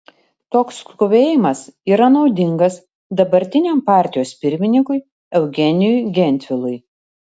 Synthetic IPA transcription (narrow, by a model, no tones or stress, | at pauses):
t̪oːkskʊʋʲeːjɪmɐsiːɾɐnɒʊd̪ʲɪŋɡɐs | d̪ɐbɐɾʲt̪ʲɪnʲeːˑmpɑːˑɾʲt̪ʲɪjoːspʲɪɾʲmʲɪnʲɪŋkʊɪ | ɛʊɡʲɛnʲɪjʊjɡʲɛnʲt̪ʲʋʲɪlˠʊj